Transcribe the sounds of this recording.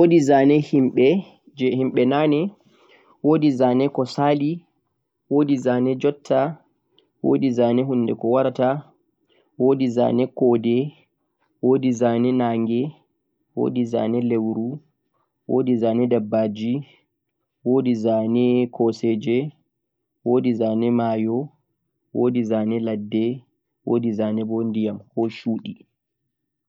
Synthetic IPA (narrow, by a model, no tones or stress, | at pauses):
wodizaːnɛhimɓɛ | d͡ʒɛhimɓɛnanɛ | wodizaːnɛkɔsaːli | woːdizaːnɛd͡ʒɔtʰːa | wodizaːnɛɦunːdɛkɔwaɾata | woːdiza̰nɛkɔdɛ | wodizanɛnaːŋɡɛ | wo̰ːdiza̰ːnɛlewɾu | wo̰ːdizaːnɛdabːad͡ʒi | woːdizanɛkɔsɛd͡ʒɛ | woːdizaːnɛmaːjɔ | woːdizaːnɛladːɛ | wo̰dizanɛbɔndijamhɔʃuːɗi